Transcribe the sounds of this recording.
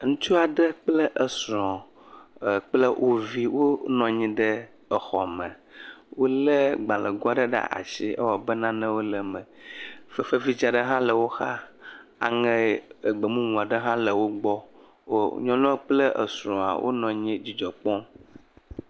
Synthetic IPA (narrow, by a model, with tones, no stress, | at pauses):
ŋũ˦t͡ʃu˦a˨ɖə˦k͡plə˦ʔə˨sɾɔ̃˨ | k͡plə˦ʔo˨vi˦wʔo˦nɔ̃˨ɲĩ˦ɖə˦ | ə˨xɔ˨mɛ̃˨ | wo˦lə˦ɡ͡bã˨lə˨ɡɔ˦a˦ɖə˦ɖa̰˦ʔa̰˨ʃi˦ə̰˦wɔ˨bə˦nã˦nɛ̃˦wo˦lə˨mə̃˨fə˨fə˦vi˦d͡ʒa˨ɖə˦ɦã˦lə˨wo˦xa˦a̰˨ŋə̃˦˨ɡ͡bə˨mũ˦ŋũ˨a˨ɖə˦ɦã˦lə˨wo˦ɡ͡bɔ˦ | o˦ɲɔ̃˦lɔ̃˦k͡plə˦ʔə̰˨sɾɔ̃˨a̰˨wʔo̰˦nɔ̃˨ɲĩ˦d͡ʑi˦d͡ʒɔ˨k͡pɔ̃˦m